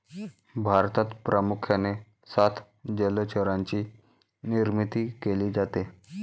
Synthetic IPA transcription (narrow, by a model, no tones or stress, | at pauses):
bʱaɾt̪at̪pɾʔəmukʰjane | sat̪ʰ | d͡ʑələt͡ɕəɾãɲt͡ɕiː | niɾmit̪iːkeliːd͡zat̪e